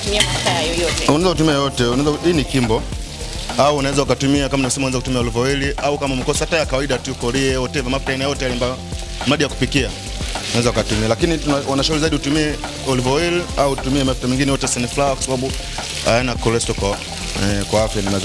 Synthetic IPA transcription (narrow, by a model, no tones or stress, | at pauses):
tumiamaftajɔjɔtɛunaɛzakutumiajjɔtɛunaɛzaiːnikimbɔ | auːnawɛzaukatumiakamaniɛsɛmaunwɛzakutumiaɔlvɔwɛliʔaukamamikɔsɔhatajakawaiɗatuukɔɾiɛɔtɛvamafu̥tainajɔtɛalimbaɔ | maɗijaku̥pikia | unawɛzaukatumialakinitawanaʃaulizaiɗihutumiɛ | ɔlivɔwɛliautumiɛmafu̥tamɛŋɡinɛjɔtɛsɛnifulawakwḁsaɓaɓu | a̰ɛnakɔlɛstɔkwa | ɛkwaafjanimaɛz